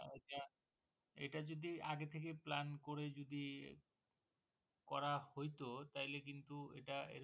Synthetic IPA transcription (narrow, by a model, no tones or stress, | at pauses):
eʈa | ḛʈad͡ʑod̪iaɡet̪ʰekeplankoɾed͡ʑod̪i | kɔɾahojt̪ot̪aɦilekint̪uḛʈaḛɾ